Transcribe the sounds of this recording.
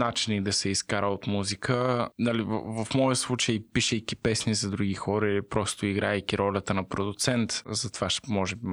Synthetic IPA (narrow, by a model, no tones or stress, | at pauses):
nat͡ʃinid̪ɐsɛiskaɾəot̪muzikʰənɐliv̰vɐfmɔjəslˠut͡ʃəjpiʃɛjkʲipɛsnizɐd̪ɾuɡixɔɾɐilipɾɔst̪oiɡɾaɛjkʲiɾɔlʲət̪ənɐpɾod̪ʊt̪sɛnt̪zɐt̪vaʃmɔʒɛbi